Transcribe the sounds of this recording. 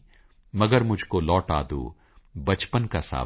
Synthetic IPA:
mɐɡəɾmʊd͡ʒʱkolɔːʈa̰ːd̪ṵː | bɐt͡ʃpənkasa̰ː

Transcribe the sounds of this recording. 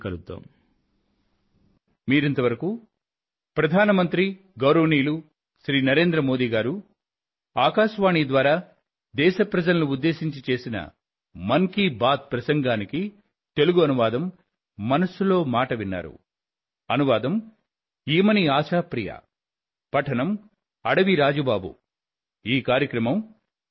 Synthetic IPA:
kɐlut̪ːo̰ːm | miːɾint̪ɐʋɐɾɐku | pɾɐd̪ʱaːnɐmɐnt̪ɾi | ɡɐwɾɐʋɐniːlu | ʃɾiːnɐɾe̞ːnd̪ɾɐmo̞ːd̪iːɡaːɾu | aːkaːʃʋaːɳid̪ʋaːɾaː | d̪ɛːʃɐpɾɐd͡ʒɐlɐnuud̪ːe̞ːʃiɲt͡ʃit͡ʃe̞ːsinɐ̰ | mɐŋkibaːt̪̚pɾɐsɐŋɡaːniki | t̪e̞luɡuɐnuʋaːd̪ɐmː | ɐnɐsulo̞ːmaːʈɐʋinːa̰ːɾṵ | ɐnuʋaːd̪ɐm | iːmɐniaːt͡ʃaːpɾija̰ː | pɐʈʰɐnɐm | ɐɽɐʋiɾaːd͡ʒɐbaːbṵ | iːkaːɾjɐkɾɐmɐm

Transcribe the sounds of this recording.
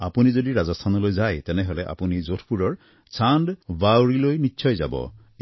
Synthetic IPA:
apunizodiɾazɔst̪ʰanɔlojd͡ʒajt̪eneɦoleʔa̰punizotʰpuɾɔɹ | t͡ʃanɖbawɾilojnitːʃʰɔjd͡ʒa̰bɔ̰

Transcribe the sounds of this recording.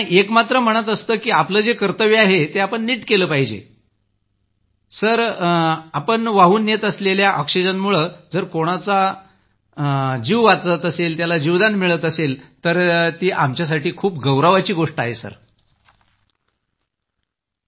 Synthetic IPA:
iekmat̪ɾəm̤əɽ̃ət̪əst̪əːkiːapləːd͡zekəɾt̪əʋeaɦet̪eapəɳːiːʈkeləːpaɦid͡ʑḛ | səɾ | apəɳʋaɦuːnːjet̪əsleljaʔɔkʂid͡ʑənmuɭəːd͡zəɾkoɽ̃at͡sa | d͡ʑiʋʋat̪ət̪əselt̪jalad͡ʑiʋd̪anmiɭət̪əselt̪əɾt̪iːʔamt͡ɕjas̬aʈiːkʰuːp̚ɡəwɾaʋat͡ɕiːɡoʂʈəaɦesə̰ɾ

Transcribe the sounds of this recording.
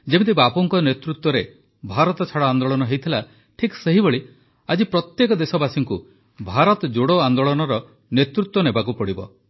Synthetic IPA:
d͡ʒebet̪̬ibapɔŋkɔnet̪ɾut̪wɔɾe | bʱaɾɔt̪ɔt͡ʃʰaɽɔand̪oɭɔnɔɦejt̪ʰila | ʈʰikseɦiboɭi | ad͡ʒipɾɔt̪jekɔd̪esɔbasiŋku | bʱaɾɔt̪ɔd͡ʒoɽoand̪oɭɔnɔɾɔ | net̪ɾut̪wɔnebakupɔɽibɔ̰

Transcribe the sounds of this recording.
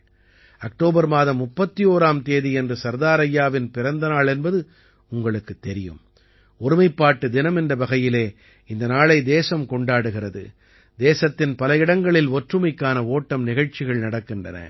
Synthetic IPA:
ɐk̚ʈoːbɐɾmaːðɐmːʊpːɐt̪ːijoːɾaːmt̪eːðiɛndrɯsɐɾd̪aːɾɐjːaːʋɪnpɪɾɐnd̪ɐnaːɭɛnbɐðɯ | ʊŋɡɐɭɯkːɯt̪ːɛɾɪjɯ̰m | ɔɾɪmɐɪpːaːʈːɯd̪ɪnɐmɛndrɐbɐɣɐjɪleː | ɪnd̪ɐnaːɭɐɪd̪eːsɐmkɔɳɖaːɽɯɣɪrɐðɯ̰ | d̪eːsɐt̪ːɪnpɐlɐjɪɽɐŋɡɐɭɪlɔʈrɯmɐɪkːaːnɐoːʈːɐmnɪɣɐɻt͡ʃːɪɣɐɭnɐɽɐkːɪndrɐ̰nɐ̰

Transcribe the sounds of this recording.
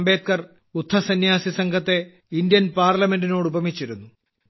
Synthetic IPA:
mbe̞ːt̪̚kɐr | ut̪ʰːɐsɐnjaːsisɐŋɡʰʱɐt̪ːe̞ | indjɐnpaːrlɐme̞ndino̞ːɽubɐmit͡ɕːiɾunːu

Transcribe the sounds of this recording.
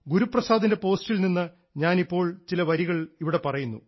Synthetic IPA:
ɡuɾuprɐsaːd̪inde̞po̞ːstilninːɨ | ɲaːnipːo̞ːɭt͡ɕilɐʋɐɾiɣɐɭiʋiɽe̞pɐrɐjunːṵ

